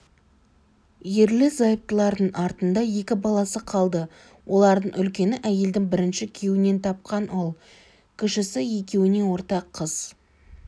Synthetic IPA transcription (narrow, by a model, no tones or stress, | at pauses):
je̞ɾlɪzɑjəp̚t̪əlˠɑɾd̪əɴʔɑɾt̪ənd̪ɑje̞kʲɪbɑlˠɑsəqʰɑlˠd̪ə | wʔo̞lˠɑɾd̪əɴʏlkʲe̞nɪʔæje̞ld̪ɪŋbɪɾɪnʃɪkʲʰewɪne̞nt̪ʰɑp̚qɑnʔolˠ | kʲʰʏʃɪsɪje̞kʲe̞wɪne̞wo̞ɾt̪ɑqʰːəz̥